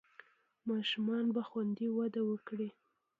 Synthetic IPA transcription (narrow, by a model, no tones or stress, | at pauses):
mɑʃumɑnbaxwand̪iwad̪awəkɽi